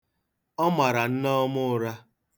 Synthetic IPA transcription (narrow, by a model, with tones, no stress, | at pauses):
ɔ˦ma˨ɾa˨n̩˦nɔ˦mʊ˦ɾa˦